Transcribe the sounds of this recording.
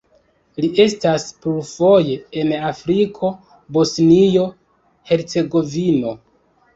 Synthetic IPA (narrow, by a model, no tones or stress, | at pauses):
liʔe̞staspufo̞je̞enafɾikʰo̞ | bo̞snijo̞ | he̞ɾt͡se̞ɡo̞vino̞